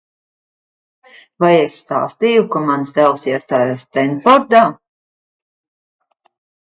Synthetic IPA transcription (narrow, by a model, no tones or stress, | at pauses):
vajesːt̪a̰ːst̪ijukamansd̪ɛlˠsiɛst̪aːjast̪ɛnfɔɾd̪aː